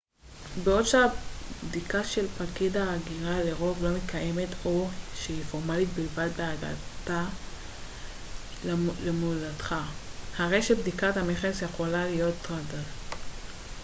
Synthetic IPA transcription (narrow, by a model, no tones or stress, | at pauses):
beo̞dʃeabd̪ikaʃelpakidaːɡiʁale̞ʁo̞vlo̞met̪̚kʰaje̞me̞tʰo̞ʃeifo̞ʁmalit̚bilvadbeaɡa̰ta | lemulatχahaʁe̞jʃebdikatameχesjeχo̞lalijo̞tːʁadal